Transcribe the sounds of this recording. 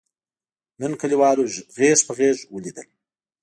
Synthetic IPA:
nənkaliwɑːɾoɣeʃpəɣeʒwəlid̪ə̰l

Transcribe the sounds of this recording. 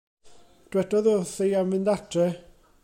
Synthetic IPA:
d̥wɛdɔðɔθejamɪndatʰrɛ

